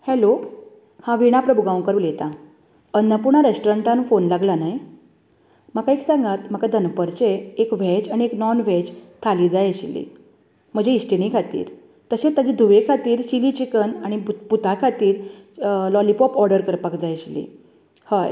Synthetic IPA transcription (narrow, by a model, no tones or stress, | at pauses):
hɛlo | hãʋiɽ̃apɾəbʱuɡaw̃kəɾuːljet̪a | ənːəpuɳaɾesʈɔɾəɳʈãnfonlaɡlanaj | məkaiksãŋɡat̪m̤əkad̪ʱənpəɾt͡ɕeːkʋ̤ɛd͡zaɽ̃ieknɔnʋ̤ɛd͡ʑt̪ʰaliːd͡zajəɕlːḭː | m̤əd͡ʑeisʈenikʰat̪ḭːɾ | t̪əɕet̪ad͡ʑid̪ʱuʋekʰat̪iːɾɕilit͡ɕikənaɽ̃iput̪akʰat̪iːɾ | lɔlipɔpɔɾɖəɾkəɾpakd͡zajəɕlḭ | haj